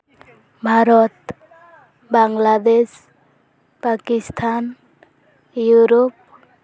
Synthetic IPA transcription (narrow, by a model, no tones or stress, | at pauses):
bʱaɾɔt̪ | baŋlad̪es | pakist̪ʰan | juɾop̚